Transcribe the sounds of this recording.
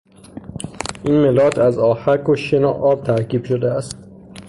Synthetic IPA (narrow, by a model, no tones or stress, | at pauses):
ʔiːnmelɒːt̪ʰæzɒːhækoʃenoʔɒːb̥̚t̪ʰæɾkʰiːb̥ʃod̪eæst̪